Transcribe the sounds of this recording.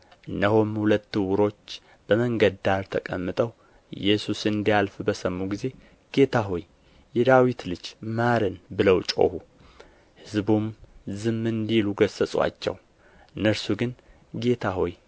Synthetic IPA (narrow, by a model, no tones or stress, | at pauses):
ʔɨnːəhomhulət̪ːɨwʊɾo̞t͡ʃː | b̥əməŋɡəd̪aɾt̪ʰəkʼəmːɨt̪ʼəw | jɛsusɨnd̪ijalfbəsəmːuɡize̞ | ɡ̥e̞t̪ʰaɦoj | jɛd̪awit̪lɨd͡ʒmaɾɨnbɨləwt͡ʃʼo̞̰hu | hɨzbumzɨmːɨnd̪iluɡəsəsʼwa̰t͡ʃːɛ̰w | ɨnːəɾsuɡɨn | ɡe̞t̪ʰaɦoj